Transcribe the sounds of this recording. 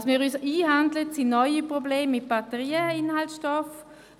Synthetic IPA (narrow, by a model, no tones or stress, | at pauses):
smiːʁysiːɦandlətsinɔʏipʁobleːmːɪt̚b̥atəʁiːəɪnhaltʃtɔf